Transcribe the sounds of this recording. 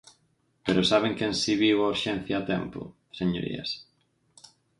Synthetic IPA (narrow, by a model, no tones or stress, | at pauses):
peɾosaβ̞ẽŋkẽnsiβiwauɾʃɛ̃n̟θjaːt̪ɛ̰mpʊ̰ | seɲo̰ɾḭɐ̰s